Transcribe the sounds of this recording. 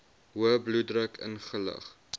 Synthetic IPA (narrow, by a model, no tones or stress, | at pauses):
ɦuəbludrəkʰə̰nχələ̰χ